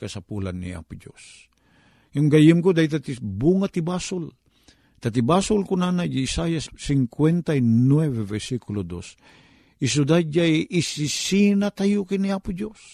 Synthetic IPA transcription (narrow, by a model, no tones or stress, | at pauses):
kasapula̰nːḭʔa̰pʊd͡ʒo̰s | jaŋɡajɪmkod̪ait̪at̪ibuŋat̪ibasʊl | t̪at̪ibasʊlkʊnanajiːsajasːɪŋkwɛnt̪ajnwɛvevɛɾsikulod̪o̰s | is̬ud̪ad͡ʒaisisinat̪ajukiniaːpʊd͡ʒos